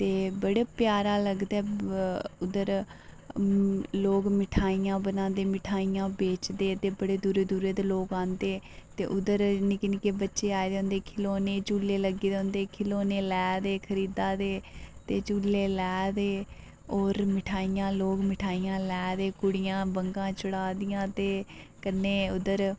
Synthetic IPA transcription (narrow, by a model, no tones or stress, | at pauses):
t̪eːbəɽeːpjaːɾaːləɡd̪ɛː | ʊd̪əɾ | loːkmɪʈʰaːijãːbənãːnd̪eːmɪʈʰaːiːjãːbeːt͡ʃd̪eːt̪eːbəɽeːd̪uːɾeːd̪uːɾeːd̪eːloːkãːnd̪eːt̪eːʔʊd̪əɾniːkɪniːkebətːʃeːaːeːd̪eːɦʊ̃ːnd̪eːkʰɪloːneːt͡ʃuːleːləɡeːd̪eɦʊ̃nd̪eːkʰɪloːneːlɛːd̪eːkʰəɾiːd̪aːd̪eːt̪eːt͡ʃuːlːeːlɛːd̪eː | oːɾmɪʈʰaːijãːloːkmɪʈʰaːijãːlɛːd̪eːkʊɽɪjãːbəŋɡãːt͡ʃʊɽaːd̪ɪjãːt̪eː | kənːeːʊd̪əɾ